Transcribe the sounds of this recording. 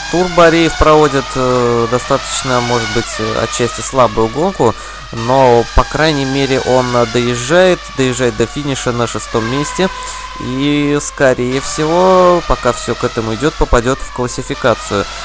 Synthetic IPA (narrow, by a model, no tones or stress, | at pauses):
t̪urbɐɾʲejɪfpɾɐvo̞dʲɪt̪d̪ɐst̪at̪ə̥t͡ɕnəmo̞ʐɨt̪bɨtʲɐ̰t̪̚t͡ɕːæsʲtʲɪslˠabʊjʊɡo̞lˠkʊ | no̞pɐkɾajnʲɪjmʲeɾʲɪʔo̞nd̪əjɪʐːajɪt̪d̪əjɪʐːajɪt̪̚d̪əfʲinʲɪʂənəʂɨst̪o̞mːʲesʲtʲɪ | iskɐɾʲejəfsʲɪvo̞pɐkafsʲo̞kɛt̪əmʊɪdʲo̞t̪̚pəpɐdʲo̞t̪fklˠəsʲɪfʲɪkat̪sɨjʊ